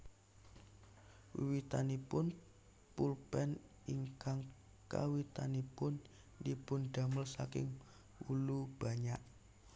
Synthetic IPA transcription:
wiwit̪anipʊn | pulpɛn | iŋkaŋ | ka̰wit̪anipʊn | dipʊnɖ̪̥a̤məlsakɪ̰ŋ | wulub̥a̤ɲaʔ

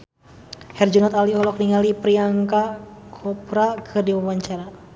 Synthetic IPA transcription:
hɛrd͡ʒunat̪aliɦɔlɔk̚niŋalipɾiaŋkakʰɔpɾakʰɨrdiwawaɲt͡ʃaɾa

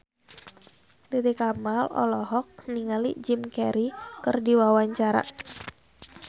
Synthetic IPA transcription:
t̪it̪ikamalɔ̰lɔɦɔk̚niŋalid͡ʒimkɛɾikɨrdiwawaɲt͡ʃaɾa̰

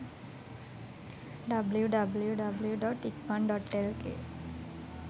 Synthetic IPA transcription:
ɖabljuɖabljuɖabljuɖɔʈikpanɖɔʈelkḛ

